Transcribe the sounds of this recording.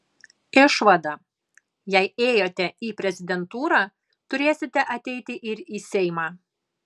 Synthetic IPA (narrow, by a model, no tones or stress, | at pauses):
ɪʃʋɐd̪ɐ | jɛɪeːjoːt̪ʲɛiːpʲɾʲɛzʲɪd̪ʲɛnt̪uːɾɑː | t̪ʊɾʲeːsʲɪt̪ʲɛʔɐt̪ʲɛɪt̪ʲɪʔɪɾiːsʲɛɪmɑː